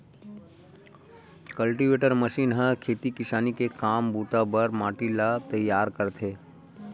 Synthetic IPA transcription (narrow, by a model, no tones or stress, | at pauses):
kəlʈiʋeːʈəɾməʃiːnɦə̃kʰeːt̪ikɪʃaːnikekaːmbut̪abəɾmaːʈilat̪əjːaːɾkəɾt̪ʰeː